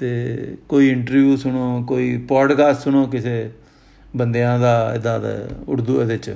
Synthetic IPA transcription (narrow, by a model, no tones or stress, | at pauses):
t̪eːkoːiːɪɳʈəɾʋjuːsʊɳoːkoːiːpɔːɖkaːssʊɳoːk̬ɪseː | bənd̪ejãːd̪aːɪ̰d̪aːd̪̰ʊɽd̪uːed̪ɪt͡ʃ